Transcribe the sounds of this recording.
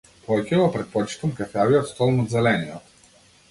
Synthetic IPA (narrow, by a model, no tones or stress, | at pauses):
pɔjkʲɛvɔpɾɛt̪̚pɔt͡ʃi̥t̪əmkɐfaviot̪st̪ɔlˠnod̪zɛlɛniɔ